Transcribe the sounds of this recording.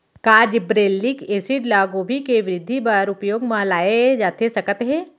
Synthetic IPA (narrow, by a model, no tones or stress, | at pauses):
kaːd͡ʒbɾeːlːikeːsiʈlaːɡobʱikeʋɪɾɪd̪ʱːibaɾʊpjoːɡmãlaːed͡ʒaːt̪ʰesɐkət̪ɦeː